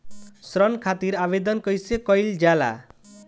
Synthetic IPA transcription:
sɾɔnkʰat̪iɾaβed̪ɔnkʌjsekɔjld͡ʒala̰

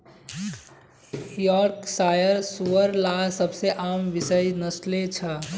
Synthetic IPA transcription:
jɔɾksajəɾsuəɾlasəbseʔamʋisəjnəslet͡ʃʰə

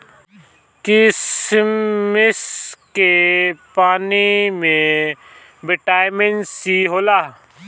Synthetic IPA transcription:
kɪs | mɪskepaːnimẽ | bɪʈaːjmɪnsiɦoːlaː

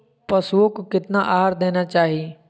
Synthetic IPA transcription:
pɐsuõkokɪt̪naʔaːɦaɾd̪eːnat͡ʃaːɦie

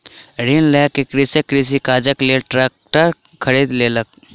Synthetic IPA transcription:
ɾinlɛːkekɾisekɾis̬ikaːd͡ʒəkleʈɾɛːk̚ʈəɾ | kʰəɾiːd̪leːlək̚

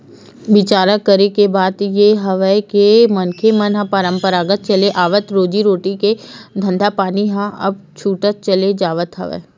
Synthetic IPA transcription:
ʋɪt͡ʃaːɾəkəɾekebaːd̪jeɦɐʋəekemɐnkʰemɐnɦɐ̃pəɾə̃mpəɾaːɡət̪̚t͡ʃɐleʔaːʋət̪ɾoːd͡ʒiɾoːʈiked̪ʱɐ̃nd̪ʱapaːniɦãɐ̰b̚t͡ʃʰuːʈət̪̚t͡ʃɐled͡ʒaːʋət̪ɦɐ̰ʋə̰

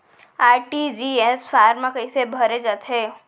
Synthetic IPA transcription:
aːʈid͡ʒiesfaːɾmãkəisebʱəɾed͡ʒat̪ɦe

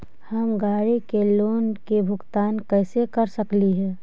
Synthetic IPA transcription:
hɐmɡaːɽikeloːnkebʱʊɡt̪aːnkɛːsekəɾsəkliɦɛ̃ː

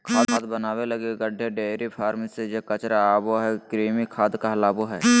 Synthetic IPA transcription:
kʰaːaːd̪bənaːweləɡeɡəɖʱeɖeːɾipʰaːɾmisejekət͡ʃɾaːboɦɛkɾiːmikʰaːd̪kaɦlaːboɦɛː

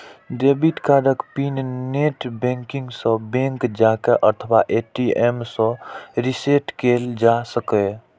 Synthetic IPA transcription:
ɖebiʈkaːɾəkpinneʈbẽŋkĩŋɡsə̃bẽŋkd͡ʒakeʔət̪ʰəwaʔeʈiemsɔ̃ɾiseʈkeld͡ʒasəke

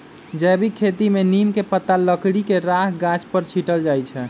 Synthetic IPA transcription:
d͡ʒɛbʱikʰet̪imenimkepət̪ːaləkɽikeɾaɦɡat͡ʃpəɾt͡ʃʰiʈəld͡ʒajt͡ʃʰɛ

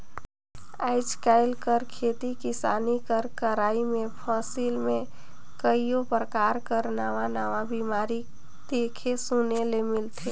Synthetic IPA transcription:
aːɪd͡ʒkaɪlkəɾkʰeːt̪ikɪsaːnikəɾkəɾaːimẽpʰɔːsilmẽ | kəijopɾəkaːɾkəɾnaːʋanaːʋabimaːɾi | d̪̥ekʰesunelemɪlt̪ʰe

